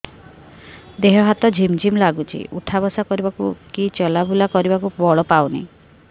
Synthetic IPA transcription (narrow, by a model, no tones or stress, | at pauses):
d̪eɦɔɦat̪ɔd͡ʒʱimd͡ʒʱimlaɡut͡ʃʰḭṵʈʰabɔsakɔɾibakukit͡ʃɔlabʱulakɔɾibakubɔɭɔpawnaĩ